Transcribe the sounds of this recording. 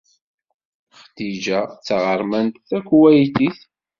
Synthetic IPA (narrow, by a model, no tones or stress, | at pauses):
χd̪id͡ʒæt͡sːəʁəɾˤmænt̪θækʷːwæjt̪iθ